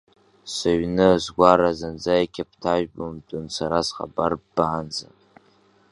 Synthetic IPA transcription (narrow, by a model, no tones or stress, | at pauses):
saɥnɨzɡʷaɾazand͡zajkʲʰapʰtʰaʒᶣbomdʼɨnsaɾazχa̰barbaːnd͡za